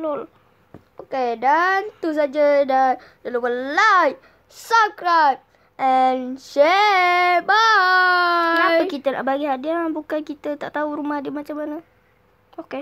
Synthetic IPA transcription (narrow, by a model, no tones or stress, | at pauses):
lol | okedant̪us̬ad͡ʒədandəluwəlaj̚ | sakɾap̚ | ɛnʃe | ba | apəkit̪əna̰ʔbaɡiɦadianbukankit̪ət̪aʔt̪auɾumahadimat͡ʃamanə | oke